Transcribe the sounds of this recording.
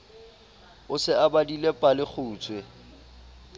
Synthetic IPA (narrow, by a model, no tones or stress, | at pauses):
ʊsɪabadilepʼalɪk͡xʰuːt͡sʰwɛ